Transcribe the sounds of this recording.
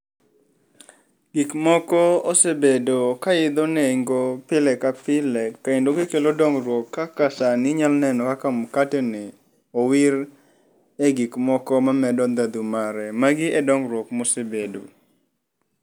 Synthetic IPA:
ɡ̥ikmɔkɔɔsebedokaɪd̪onɛŋɡopɪlɛkapɪlɛkːaendoɡekelodɔŋɾwɔkːakasanɪɲalnɛnɔkakamkatɛnɛ | ɔwiɾ | ɛɡikmɔkɔmamɛdɔnd̪ad̪umaɾɛmaɡɪɛdɔŋɾwɔkmɔsebedṵ

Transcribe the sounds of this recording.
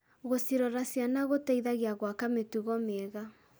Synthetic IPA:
ɣosiɾɔɾasianaɣotaiðaɣiaɣwakametuɣɔmɛɣa

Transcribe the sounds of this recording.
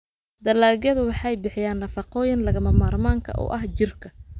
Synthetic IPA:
d̪ɐlaːɣɐðʊwɑħɑjbɪħɪjaːnːɐfɑqɔːjɪnlɐɣɐmɐmaːrmaːŋkʰɐ̰ʔɔ̰ːʔɐɦt͡ʃɪrkʰɐ

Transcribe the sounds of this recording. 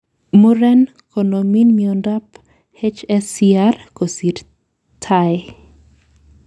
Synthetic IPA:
muɾɛn | kʰonominmiondap | het͡ʃɛsiarkosiɾ | tʰae

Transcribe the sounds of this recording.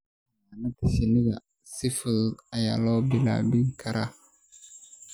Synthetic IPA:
anatiseniɡa | sifəlaja̰lɔbila̰biŋkaɾa

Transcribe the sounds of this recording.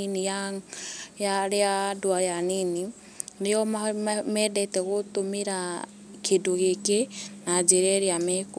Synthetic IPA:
inija | jaɾeadwajanini | ɾeɔmamɛːdɛtɛɣotomeɾa | kʰedoɣekenad͡ʒeɾɛɾeamɛk

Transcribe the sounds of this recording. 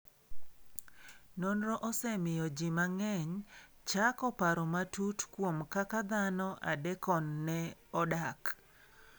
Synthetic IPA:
nonɾɔʔɔsɛmɪjɔd͡ʒɪmaŋɛɲ | t͡ʃakɔpaɾɔmatutkwomkakad̪anɔʔa̰dɛkɔnːɛɔdak

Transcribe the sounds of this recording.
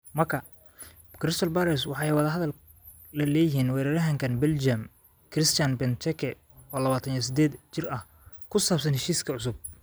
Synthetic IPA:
mɐrkʰɐ | kʰɾɪst̪ʰɔlbaɾɛswɑħɑjwɐðɐɦɐðɐl | lɐlɛːjɪɦiːnwɛːɾɐɾɐɦɐŋkʰɐnbɛld͡ʒɐm | kʰrɪst̪janbɛnt͡ʃ̪ʰɛkʰɛ | ɔːlɐβaːt̪ʰɐnjɔsɪd̪ɛːd̪t͡ʃɪrɐh | kʰʊsaːbsɐnhɛʃiːskʰɐʕʊs̬ʊb̚

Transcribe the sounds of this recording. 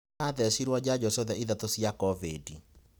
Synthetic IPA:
aðɛsiɾwɔd͡ʑad͡ʑɔsɔðɛiðat̪osjakɔvedi

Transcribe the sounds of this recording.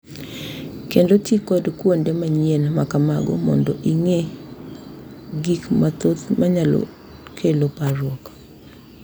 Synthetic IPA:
kendotekɔdkwondemaɲenmakamaɡɔ̰mɔ̰ndɔʔiŋe | ɡikmat̪ot̪maɲalɔ̰ | kʰelopaɾwɔk

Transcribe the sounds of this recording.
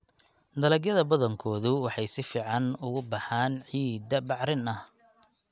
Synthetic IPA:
d̪ɐlɐɡjɐðɐbɐðɐŋkʰɔːðʊwɑħɑjsɪfiːʕɑnʊɣʊbɑħaːnʕiːd̪ɐbɑʕɾɪnɐh

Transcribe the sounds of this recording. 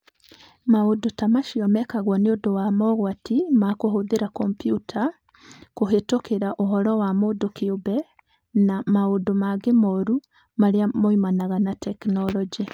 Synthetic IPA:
maodotamaʃiɔmɛkaɣwɔneodowamɔɣwatimakoɦoðeɾakɔmpjutʰa | koɦetokeɾaʔoɦɔɾɔwamodokeobɛ | namaodomaɡemɔɾu | maɾeamoimanaɣanatɛknɔlɔd͡ʒi

